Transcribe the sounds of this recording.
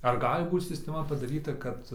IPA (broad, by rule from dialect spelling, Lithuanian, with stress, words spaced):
ɐr ˈɡɑːlʲɪ ˈbuːt sʲɪsʲtʲɛˈmɐ pɐdɐˈrʲiːtɐ kɐt